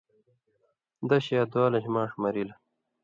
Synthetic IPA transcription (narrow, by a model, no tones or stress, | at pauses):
d̪ɐɕaːd̪waːlɐɕmãːʂmɐɾilɐ